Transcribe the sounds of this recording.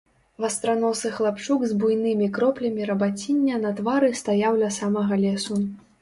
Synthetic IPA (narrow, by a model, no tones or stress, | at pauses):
vɐst̪ɾanɔsɨxlˠapt͡ʂuɡzbujnɨmʲikɾɔplʲɐmʲiɾɐbat͡sʲinʲːɐnɐt̪vaɾɨst̪ajawlʲɐsamɐɣɐlʲɛsu